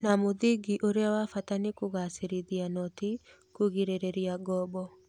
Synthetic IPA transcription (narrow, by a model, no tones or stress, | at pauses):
namoðiɡiʔoɾeawafatanekoɣaseɾiðianɔti | kuɣiɾeɾeɾiaɡɔbɔ